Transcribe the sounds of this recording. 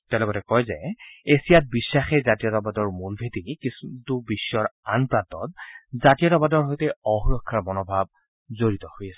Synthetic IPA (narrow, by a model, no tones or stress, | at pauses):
tɛlɔɡɔtɛkɔjzɛesijat̚bisːaxɛzatijɔtabadɔɹmulbʱetikistubisːɔɹanpɹantɔ̰tzatijɔtabadɔɹɦojtɛɔxɹɔkʰːaɹmɔnɔbʱab̚ | zoɹitɔhojasɛ